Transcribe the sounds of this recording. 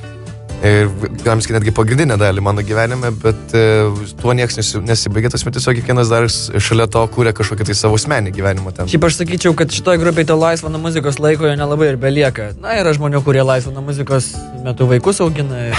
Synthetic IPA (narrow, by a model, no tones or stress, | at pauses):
ɪɡɑːmʲɪskʲɪnʲæːdʲɡʲɪpɐɡɾʲɪndʲɪnʲɛd̪ɑːlʲɪmɑːnoːɡʲiːʋʲæːnʲɪmʲɛbʲɛt̪ | t̪uɔnʲiɛksnʲɛsʲɪnʲɛsʲɪbɐɪɡʲet̪ɐsmʲɛt̪ʲɛsʲoɔkʲɛkʋʲiɛnɐsd̪ɐrsʃɐlʲɛt̪oːkuːɾʲɛkɐʃkoːkʲɪt̪ɐɪsɑːʋoʊsʲmʲæːnʲiːɡʲiʋʲæːnʲɪmɐtʲɛnʃʲɛɪpɐʃsɐkʲiːt͡ʃʲɛʊkɐt̪ʃʲɪ̥t̪oːjɡɾʊp̬ʲeːɪt̪oːlˠɐɪsʋɐnoːmʊzʲɪkoːslˠɐɪkoːjoːnʲɛlˠɐbɐɪɪrbʲɛlʲiɛkɐnɐiːɾɐʒmoːnʲukʊːɾʲiːɛlˠɐɪsʋɐnomʊzʲɪkoːs | mʲɛt̪ʊʋɐɪkʊsɐʊɡʲɪnɐɪ